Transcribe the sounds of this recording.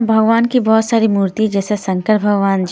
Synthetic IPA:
bʱɐɡʋaːnkibɔːt̪saːɾimuːɾt̪id͡ʒɛːsesɐ̃ŋkəɾbʱɐəɡʋaːnd͡ʒ

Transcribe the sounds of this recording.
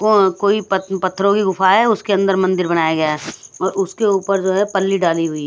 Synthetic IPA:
okoːipətpɐt̪ʰːəɾõkiɡʊfaɦɛʊskeɐ̃nd̪əɾmɐ̃nd̪ɪɾbɐñaːjaɡɐjaɦɛɔːɾʊskeuːpəɾd͡ʒoːɦɛpɐlːiɖaːliɦʊi

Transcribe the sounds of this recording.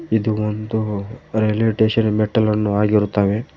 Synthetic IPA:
id̪uond̪uɾeleːʈeːʃɐnmeʈːɐlɐnːuaːɡiɾut̪ːaːʋe̞

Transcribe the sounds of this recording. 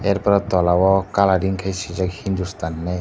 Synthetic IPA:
eɾpɾɔt̪ɔlawɔkalaɾiŋkʰajsizɔkhind̪ust̪anːe

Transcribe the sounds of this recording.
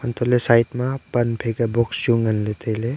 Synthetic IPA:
ɔnt̪ʰolesajtmapɐnpʰeɡabɔksjuŋɐnlet̪ʰejle

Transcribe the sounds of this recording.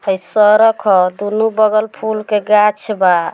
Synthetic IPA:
əjsɔɾɔkʰɔd̪unubəɡəlpʰulkeɡat͡ʃʰba

